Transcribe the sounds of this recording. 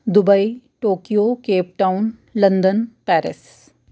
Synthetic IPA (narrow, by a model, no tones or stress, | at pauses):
d̪ʊbəi | ʈoːkijokeːp̚ʈaːʊn | lɐ̃nd̪ənpɛːɾɪ̰s